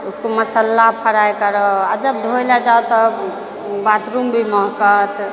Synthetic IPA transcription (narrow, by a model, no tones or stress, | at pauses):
uskoməsəlːapʰəɾajkəɾəad͡ʒəbd̪ʱojlɛd͡ʒawt̪ɔ | bad̪ɾumbʱimɔɦkət̪